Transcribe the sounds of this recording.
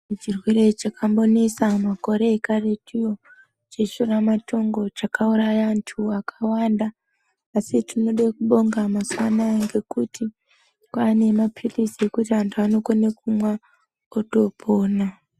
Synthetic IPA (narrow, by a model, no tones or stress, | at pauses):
t͡ʃirwire̞t͡ʃakambo̞nesamako̞ɾe̞ːkaretijo̞ | d͡ʒe̞ʃuramato̞ŋɡo̞t͡ʃakaurajantʰuakʰḁwandaː | sitino̞ɗekuɓo̞ŋɡamaswanaŋɡe̞kutʰi | kane̞mapʰitisiekutiɦantʰuano̞konekumwa | oto̞pʰo̞ːna